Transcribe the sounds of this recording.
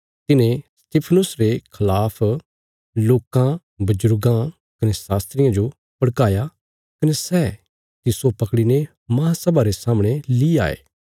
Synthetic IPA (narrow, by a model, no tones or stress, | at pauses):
t̪ɪnẽst̪ɪpʰənʊsɾekʰɐlaːpʰ | loːkã | bɐd͡ʒʊɾɡã | kɐnesaːst̪ɾɪjãd͡ʒo | pɐɽkaːja | kɐnesɛː | t̪ɪsopɐkɽine | mɐɦãsɐbaɾesaːmɽ̃elia̰ːḛː